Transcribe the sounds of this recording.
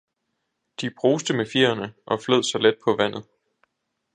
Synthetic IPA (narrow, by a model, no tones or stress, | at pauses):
d̥ib̥ʰʁo̝ːsd̥əmefiɐ̰ɐnəʔɒ̽fløð̰ˠsɒ̽led̥̚pʰɒ̽ʋæn̰ð̩ˠ